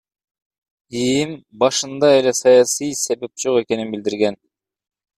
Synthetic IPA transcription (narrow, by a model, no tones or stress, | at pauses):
ijimbɑʃɯnd̪ɑe̞le̞sɑjɑsɯjse̞βe̞p̚d͡ʒo̞qe̞ke̞ninbild̪iɾɡen